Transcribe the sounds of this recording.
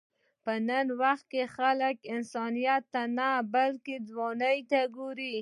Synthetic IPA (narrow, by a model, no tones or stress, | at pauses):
pənanwaxt̪̚kexaləkɪnsɑnijat̪ːanabalked̪wɑnajt̪aɡoɾi